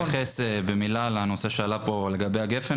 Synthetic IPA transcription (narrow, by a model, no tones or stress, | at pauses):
aχesebemilalano̞seʃealapo̞le̞ɡabejaɡefe